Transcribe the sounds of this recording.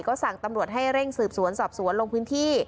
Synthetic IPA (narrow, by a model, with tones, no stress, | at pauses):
kɔː˥˩sa˨˩ŋt̪a˧mɾu˨˩ət̪̚ha˥˩jɾe˥˩ŋsɯː˨˩p̚su˨˩˦ənsɔː˨˩p̚su˨˩˦ənlo˧ŋpʰɯː˦˥nt̪ʰiː˥˩